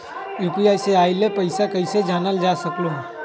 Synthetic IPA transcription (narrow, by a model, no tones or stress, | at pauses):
iːpiaːseaːɪlepəɪsakəɪsed͡ʒaːnəld͡ʒaːsəkloɦ